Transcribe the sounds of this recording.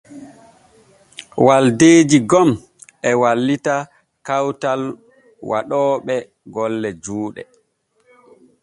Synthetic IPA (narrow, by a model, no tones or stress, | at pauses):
waldeːd͡ʒiɡɔm | ʔɛwalːita | kawtal | waɗɔːɓɛ | ɡɔlːɛd͡ʒuːɗɛ̰